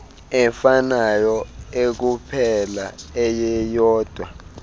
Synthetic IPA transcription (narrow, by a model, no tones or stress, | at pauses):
ɛfanajɔek̬upʰɛlaɛjɛjɔːd̥ʱwa